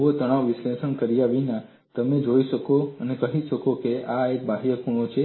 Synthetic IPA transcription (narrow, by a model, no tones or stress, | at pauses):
ot̪əɽ̃aʋʋɪsleʃəɳkəɾijaʋina | t̪əmed͡ʒoiʃəkoənekəɦiʃəkokeaek̚baɦjəkuɳ̃ot͡ʃʰe